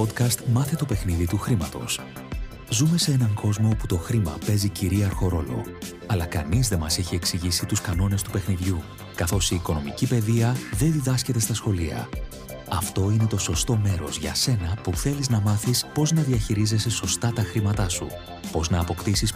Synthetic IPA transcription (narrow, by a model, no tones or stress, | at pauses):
pod̪kɐst̪mɐθet̪ope̞xniðit̪uxɾimɐ̰t̪o̞̰s | zume̞see̞nɐŋko̞zmo̞put̪o̞xɾimɐ̰pe̞ziciɾiɐɾxo̞ɾo̞lo̞̰ | ɐlɐkɐ̰nizðe̞mɐseçie̞ksiʝisit̪uskɐno̞ne̞st̪upe̞xniðʝu | kɐθo̞siːko̞no̞micipe̞ðiɐðe̞nðiðɐsce̞t̪e̞st̪ɐsxo̞liɐ̰ | ɐft̪o̞ine̞t̪o̞so̞st̪o̞me̞ɾo̞̰zʝɐ̰se̞nɐpuθe̞liznɐmɐθispo̞znɐðiɐçiɾize̞seso̞st̪ɐt̪ɐxɾimɐt̪ɐsṵ | po̞znɐːpo̞kt̪isis